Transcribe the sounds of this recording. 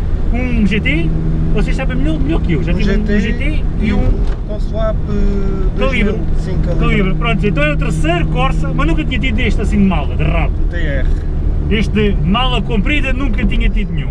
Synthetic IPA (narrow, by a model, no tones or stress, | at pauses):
ũʒet̪evɔseʃsaβẽmʎɔɾmʎɔɾkewʒat̪ivʒũt̪ʒet̪eiũkɔ̃slapðɨkɐlˠiβɾsĩkɐlˠkɐlˠiβɾpɾõnt̪zẽt̪ɐ̃w̃ɛɾut̪ɨɾsɐjɾukɔɾsɐlˠmɐʒnũkɐt̪iɲɐt̪̬iðueʃt̪ɐsĩd̪malˠɐðɨʁaput̪eɛʁ | eʃt̪ðɨmalˠɐkõmpɾiðɐnũŋkɐt̪iɲɐt̪iðunɲũ